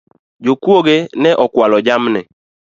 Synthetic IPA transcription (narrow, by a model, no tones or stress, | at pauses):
d͡ʒokuoɡenɛʔɔkwalɔd͡ʒamnɛ